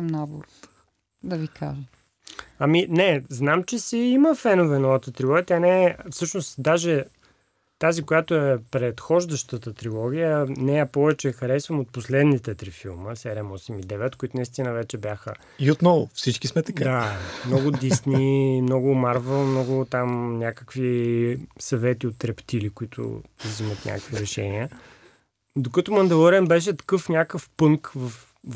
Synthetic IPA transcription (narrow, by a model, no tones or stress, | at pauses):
mnaboɾot̪ | d̪ɐvikʰa̰ʒɛ | aminɛznamt͡ʃɛsɛiməfɛnovɛnɔvət̪ət̪ɾilˠɔɡʲiət̪ʲanɛfsɤʃnost̪d̪aʒɛ | t̪azikojat̪oɛpɾɛt̪xɔʒd̪əʃt̪ət̪ət̪ɾilˠɔɡ̟ʲijənɛɛpɔvɛt͡ʃɛːxɐɾɛsvəmot̪̚poslɛd̪nit̪ɛt̪ɾifilˠməsɛɾiɛmɔsɛmid̪ɛvɛt̪koit̪ʊnɐist̪inəvɛt͡ʃɛbjaxə̰ | iot̪nɔvʊfsit͡ʃkismɛt̪ɐkad̪amnɔɡʊd̪isnimnɔɡʊmaɾvɛlˠmnɔɡʊt̪amnʲakəkvi | sɐvɛt̪iot̪ːɾɛpt̪ilikʊit̪ʰʊ̰zimət̪nʲʔa̰kəkviɾɛʃɛ̰niə | d̪okət̪ʊmɐnd̪ɛlˠoɾɛnbɛʃ̬ɛt̪ɐ̥kɤfnʲakəfpɤŋkvəf